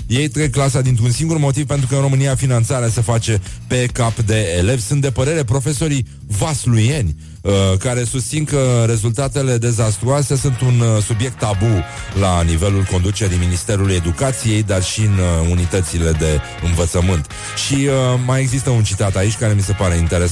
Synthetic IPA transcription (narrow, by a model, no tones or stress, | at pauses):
je̞jt̪ɾeɡ̚klas̬ad̪int̪ɾunsiŋɡurmo̞t̪iv̥pent̪ɾukəɨnro̞mɨniafinant̪saɾeasefat͡ʃe̞pe̞kapd̪e̞ːle̞vsunt̪d̪e̞pəɾe̞ɾe̞pɾo̞fe̞so̞ɾi | vaslujenʲ | əkaɾe̞sust̪sinkəɾe̞zult̪at̪e̞le̞d̪e̞zast̪ɾuase̞sunt̪unsubje̞k̚t̪ːabu | lanive̞lulko̞nd̪ut͡ʃe̞ɾiminist̪e̞ɾuluje̞d̪ukat̪sije̞jd̪arʃiɨnunit̪ət̪sile̞d̪e̞ | ɨnvət̪səmɨnt̪ | ʃiəmaje̞ɡzist̪əunt͡ʃit̪at̪ait͡ʃʲkaɾe̞mise̞paɾe̞int̪e̞ɾes